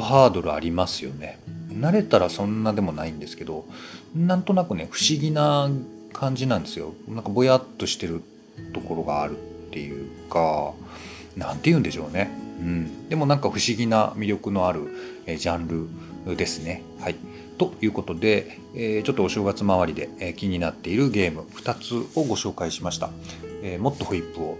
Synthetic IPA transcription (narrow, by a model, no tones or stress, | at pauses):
oɦaːd̪o̞ɾɯ̟a̰ɾʲimasɨjo̞̰ne̞naɾe̞t̪aɾasõ̞nːad̪e̞mo̞naĩnd̪esɨ̥ke̞d̪o̞nãnt̪o̞nakɯ̟ne̞ɸɯ̟̥ɕiɡʲina | kʰãɲ̟d͡ʑinãnd̪e̞sɨjo̞̰nãŋkabo̞jat̪ːo̞ɕi̥t̪e̞ɾɯ̟ | t̪o̞ko̞ɾo̞ɡa̰ːɾɯ̟tt̪ːe̞jɯ̟ːka | nãnt̪ejɯ̟̃nd̪e̞ɕo̞ːne̞ɯ̟̃ɴd̪e̞mo̞nãŋkaɸɯ̟ɕiɡʲina̰mʲiɾʲo̞kɯ̟no̞aɾɯ̟ed͡ʑãnɾɯ̟d̪e̞sɨne̞ | hai | t̪o̞jɯ̟ːko̞t̪o̞d̪e̞ | eːt͡ɕo̞t̪ːoːɕo̞ːɡat͡sɨmaβ̞aɾʲid̪e̞̰ekʲiɲ̟inat̪ːe̞iɾɯ̟ɡe̞ːmɯ̟ɸɯ̟̥t̪at͡sɨo̞ɡo̞ɕo̞ːkaiɕimaɕi̥t̪aeːmo̞t̪ːo̞ɸɯ̟ipːɯ̟o̞